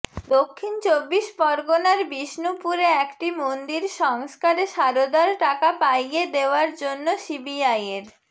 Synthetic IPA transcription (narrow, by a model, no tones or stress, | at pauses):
d̪okʰːint͡ɕobːiʃbɔɾɡonaɾbiʃnupuɾeɛkʈimond̪iɾʃɔŋskaɾeʃaɾod̪aɾʈakapajed̪eoaɾd͡ʑonːosibiajeɾ